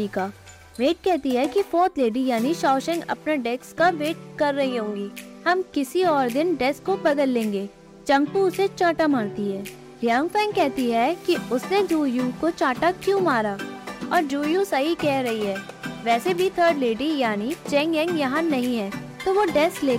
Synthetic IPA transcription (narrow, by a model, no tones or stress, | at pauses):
ikaː | ʋeːʈ̚kɛɦt̪iɦɛkifɔːɾt̪ʰleːɖijaːniʃaːʃɛ̃ŋɡɐ̰pneɖɛːkskaʋeːʈ̚kɐɾːɐɦiɦõːŋɡiːhɐmkɪsiɔːɾd̪ɪnɖɛːskːobɐd̪əlːẽːŋɡeː | t͡ʃɐ̃ŋɡpuʊset͡ʃaːʈamaːɾt̪iɦɛː | lɪjãːŋfɛ̃ːŋɡkɛɦt̪iɦɛkiʊsned͡ʒuːjuːkot͡ʃaːʈakjũːmaːɾaːɔːɾd͡ʒuːjusɐɦikɛɦɾɐɦiɦɛːʋɛːsebʱit̪ʰəːɾɖleːɖijaːnit͡ʃɛ̃ːŋɡɛ̃ːŋɡjɐɦãnɐɦĩɦɛːt̪oːʋoɖɛːskleː